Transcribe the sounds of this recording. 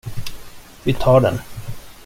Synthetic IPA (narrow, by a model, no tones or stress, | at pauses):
vɪt̪ʰɑːɖɛ̰n